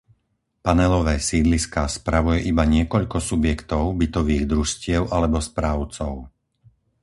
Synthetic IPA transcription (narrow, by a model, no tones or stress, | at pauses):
panɛlɔʋɛːsiːd̪liskaːspɾaʋujɛʔibaɲɪɛkɔʎkɔsubjɛkt̪ɔʊbit̪ɔʋiːɣd̪ɾuʃcɪɛʊʔalɛbɔspɾaʊt͡sɔʊ